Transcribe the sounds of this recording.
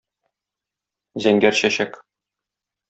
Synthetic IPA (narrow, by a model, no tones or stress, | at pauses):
zæŋɡæɾɕæɕæk